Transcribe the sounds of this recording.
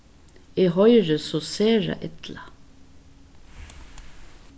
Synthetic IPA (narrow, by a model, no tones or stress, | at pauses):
iːhœʏɹəsoːseːɹɑ̰ʔɛt̪lɑ